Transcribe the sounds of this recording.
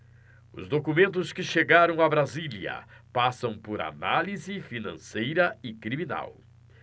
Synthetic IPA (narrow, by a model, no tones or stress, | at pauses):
ʊ̰zd̪okumẽnt̪ʊskɪʃeɡaɾɐ̃w̃abɾaziljɐ̰pasɐ̃w̃pʊɾa̰nalizɪfinɐ̰̃sejɾɐɪkɾimina̰w